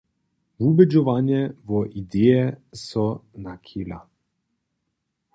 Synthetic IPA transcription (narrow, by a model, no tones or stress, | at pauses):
vubed͡ʒoʋanjɛvɔʔid̪ejɛsɔnakʰila̰